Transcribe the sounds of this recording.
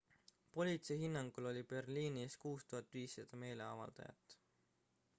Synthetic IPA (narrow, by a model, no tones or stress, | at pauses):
po̞lʲit̪seɦinːɑŋɡ̥ulo̞lʲipe̞rliːnieskuːst̪uɦɑt̪ːˑviːsːɑd̪̥ɑme̞ːle̞ɑvɑ̰ld̪̥ɑ̰jɑ̰t̪ːˑ